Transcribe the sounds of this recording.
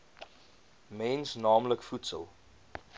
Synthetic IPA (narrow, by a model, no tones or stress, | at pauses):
mɛnsnɑːmləkfutsə̰lˠ